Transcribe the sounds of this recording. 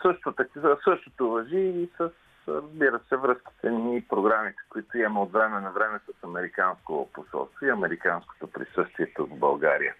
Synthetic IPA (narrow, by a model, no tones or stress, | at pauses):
sɤʃt̪ot̪ɐksɤʃt̪ot̪ovɐʒiːsəs | ɾɐzbiɾəsɛvɾɤsk̟i̥t̪ɛnipɾoɡɾamit̪ɛ̥koit̪oiɛmɛot̪vɾɛmɛnɐvɾɛmɛsəsɐmɛɾikanskoposɔ̰lst̪voiɐmɛɾikansko̥t̪opɾḭsɤst̪viɛt̪ovbɐ̰lˠɡaɾḭjə̰